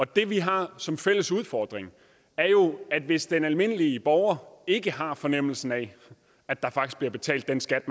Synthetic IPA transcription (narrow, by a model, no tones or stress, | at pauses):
ɒ̽d̥e̝ʋiɦɑ̈sɒ̽mfel̰əsuð̞ˠfɒ̰ːd̥ʁeŋ | æɐjo̝æd̥ʋe̝sd̥enælme̝n̰əliəb̥ɒʊɐe̝ɡ̥əɦɑ̈fɒ̽nem̰l̩sn̩ɛ | æd̥ɑ̈fɑ̈ɡ̥isɡ̥̚b̥liɐb̥e̝t͡sʰɛ̰ːld̥ːensɡ̥æd̥m